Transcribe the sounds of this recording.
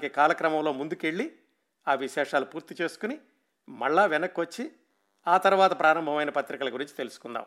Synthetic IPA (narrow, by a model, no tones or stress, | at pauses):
keːkaːlɐkɾɐmɐmlo̞ːmund̪ukeɭːi | aːʋiʃɛːʂaːlupuːɾt̪it͡ʃe̞ːsu̥kuni | mɐɭːaːʋɛnɐkːʋɐt͡ʃːi | aːt̪ɐɾuʋaːt̪ɐpɾaːɾɐmbʱɐmɐjnɐpɐt̪ɾikɐlɐɡuɾiɲt͡ʃi̥t̪e̞lusu̥kund̪a̰ːm